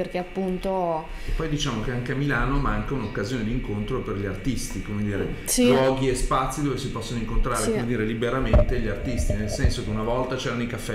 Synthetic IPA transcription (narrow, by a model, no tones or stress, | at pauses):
erk̟eapːunt̪o | eppːɔjd̪it͡ʃaːmokeaŋkeamːilaːnomaŋkaunokːazjoːned̪iŋkont̪ɾoperʎiart̪ist̪ikomed̪iːɾesilwɔːɡiespat̪sːid̪oːvesipɔsːonoiŋkont̪ɾaːɾekkomed̪iːɾelibeɾament̪eʎiart̪ist̪inelsɛnsokeunavɔlt̪at͡ʃɛːɾanoikafːɛ